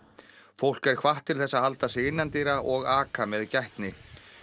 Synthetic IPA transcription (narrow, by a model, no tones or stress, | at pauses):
fowl̥kɛɾ̥kʰvaht̪ʰːɪlθɛsːahalt̪asɪɪnːant̪iːɾaʔɔɣaːkamɛðcaht̪nɪ